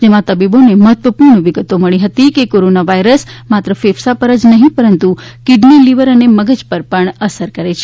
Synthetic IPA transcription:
d͡ʒemãt̪əbiboneməɦət̪ʋəpuɾɳʋiɡət̪oməɭiɦət̪ikekoɾonaʋaiɾəsmat̪ɾəfefsapəɾəd͡ʒnəɦĩpəɾənt̪ukiɖniliʋəɾəneməɡəd͡ʒpəɾpəɳəsəɾkəɾet͡ʃʰe

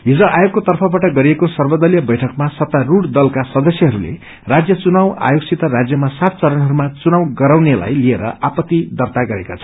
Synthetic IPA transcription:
ɦid͡zʌ̃ʔajoɡ̚kot̪ʌrpʰʌbaʈʌɡʌɾiekosʌrbʌd̪ʌljʌbʌjʈʰʌkmasʌt̪ːaruɽd̪ʌlkasʌd̪ʌsjʌɦʌɾulḛ | rad͡zjʌt͡sunawa̰joksit̪ʌrad͡zjʌmasat̪̚t͡sʌɾʌnɦʌɾumat͡sunawɡʌɾawnela̰jlieɾʌ̰apʌt̪ːid̪ʌrt̪aɡʌɾekat͡sʰʌ

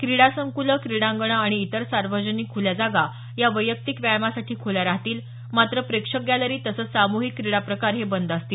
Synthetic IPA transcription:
kɾiɽasəŋkuləkɾiɽãŋɡəɳ̃əaɽ̃iːt̪əɾsaɾʋəd͡ʑəniːkʰːoljad͡zaɡa | jaʋəjək̚t̪ikʋjajmasaʈʰiːkʰoljaɾaɦt̪iːl | mat̪ɾəpɾekʂək̚ɡæləɾiːt̪əsəːt͡ssamuɦikːɾiɽapɾəkaɾɦebənd̪ast̪iːl

